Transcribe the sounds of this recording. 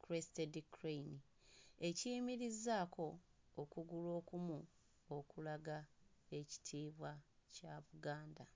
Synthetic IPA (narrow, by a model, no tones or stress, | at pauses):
kɾestedikɾejni | e̞ciːmiɾizaːkʰo̞ːkuɡulo̞ːkumu | okulaɡa | e̞ci̥tʰiːβwacaβuɡaːnda